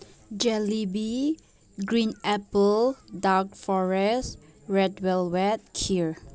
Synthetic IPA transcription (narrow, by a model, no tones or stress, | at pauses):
d͡ʒɛlibi | ɡɹĩnʔɛpəldak̚fɔɹɛs | ɹɛdwɛlwɛt̚kʰiɹ